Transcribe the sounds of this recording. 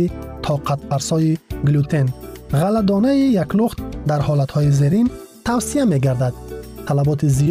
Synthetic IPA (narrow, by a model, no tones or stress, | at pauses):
it̪ʰɔqʰat̪̚pʰaɾsɔiɡlut̪ʰenʁalad̪ɔnaijakluχt̪d̪aɾhɔlat̪hɔizeɾin | t̪ʰawsiame̞ɡaɾd̪ad̪̚t̪ʰalabɔt̪ʰizi